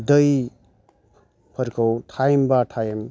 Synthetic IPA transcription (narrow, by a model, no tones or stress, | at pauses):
d̪ʌj | pʰʌɾkʌwtʰajmbaʈʰajem